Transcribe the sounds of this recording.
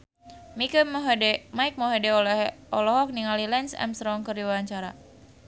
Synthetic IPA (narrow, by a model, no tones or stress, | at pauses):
mikəmmaik̚moɦedeɔlɔɦɔk̚niŋalilɛnsɛ̰mst̪ɾɔŋkərdiwawaɲt͡ʃaɾa̰